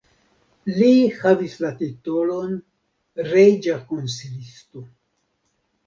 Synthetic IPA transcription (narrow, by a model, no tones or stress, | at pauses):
lihavislatitolo̞n | ɾejd͡ʒakonsilisto